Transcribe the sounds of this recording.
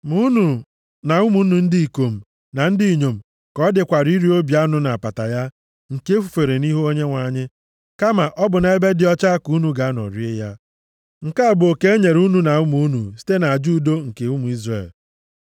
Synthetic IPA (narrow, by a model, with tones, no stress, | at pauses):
mu˦nu˨ | na˨u˦mu˦nu˨n̩˦di˦i˨ko˨m̩˨ | na˨n̩˦di˦i˨ɲo˨m̩˨ | kɔ˦dɪ˨kʷa˨ɾi˦ɾi˦o˦bja˦nʊ˦na˨a˨pa˨ta˨ja˦ | ŋ̩˨ke˦fu̥˨fe˨ɾe˨ni˦ɦo˦ɲe˦ŋʷa˨˦ɲɪ˦ | ka˦ma˨ʔɔ˦bʊ˨n˨e˦be˦dɪ˨˦ɔ˦t͡ʃa˦ku˦nu˨ɡa˨˦nɔ̰˨ɾi˦e˦ja˦ | ŋ̩˨ka˦a˦˨bo˨ke˦e˦ɲe˨ɾu˦nu˨na˨u˦mu˦nu˨si̥˦te˦na˨a˨d͡ʒu˦˨do˦ŋ̩˨ke˨u˦mu˨i˦zrḛ˨l